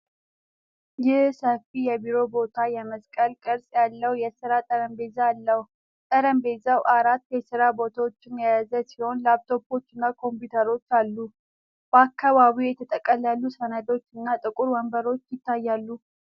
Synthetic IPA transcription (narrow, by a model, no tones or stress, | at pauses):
jɪhsəfijɛbiɾo̞bo̞t̪ʰajɛməskʼəlkʼəɾsʼjalːəwjɛsɨɾat̪ʼəɾəmbe̞zalːəh | t̪ʼəɾəmbe̞zawʔaɾat̪ːjɛsɨɾabo̞t̪ʰawot͡ʃːɪnjajazəsiho̞nlap̚t̪ʰo̞bo̞t͡ʃːɨnːakʰo̞mpjut̪ʰəɾo̞t͡ʃːalːu | b̥əakʰːaβaβijɛt̪ʰət̪ʼəkʼːəlalːusənad̪o̞t͡ʃːɨnːat̪ʼɨkʼuɾwəmbəɾo̞t͡ʃːjɪt̪ʰːajːalːu